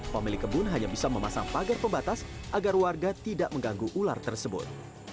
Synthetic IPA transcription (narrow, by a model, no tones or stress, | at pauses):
pamilɪkːəbʊnɦaɲabisaməma̰sa̰ŋpaɡarpəmbat̪asʔaɡarwarɡat̪idaʔməŋɡaŋɡuʔula̰rt̪ərsəbʊ̰t̪̚